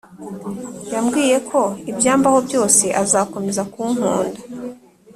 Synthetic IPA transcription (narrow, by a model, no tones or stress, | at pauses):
jamɡiːje̞kʰo̞ibjaːmbaho̞bjo̞ːse̞ʔazaːko̞me̞zakuːŋ̥uːnda